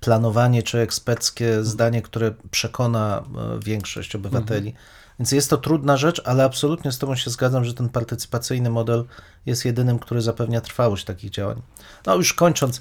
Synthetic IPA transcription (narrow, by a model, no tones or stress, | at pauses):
planɔvaɲɛt͡ʂɘɛkspɛɾt̪skʲɛzd̪aɲɛkt̪uɾɛpʂɛkʰɔnavʲjɛŋkʂɔ̰ɕt͡ɕɔbɘvat̪ɛlʲi | vʲjɛntsʲjɛst̪ːɔt̪ɾud̪naʐɛt͡ʂalɛapsɔlut̪ɲɛst̪ɔbɔ̃w̃ɕɛzɡad̪zamʐɛt̪ɛnpaɾt̪ɘt̪sɘ̥pat̪sɘjnɘmɔd̪ɛl | jɛst̪jɛd̪ɘnɘmkt̪uɾɘzapɛvɲat̪ɾfawɔɕt̪akʲiɣd͡ʑawa̰ɲ | nɔjuʂkɔɲt͡ʂɔnt̪s